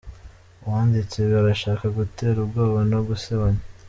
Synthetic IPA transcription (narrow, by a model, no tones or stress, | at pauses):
uwaːndit͡seβaɾaʃaːkaɡute̞ːɾubɡoːβonoɡuseβaɲe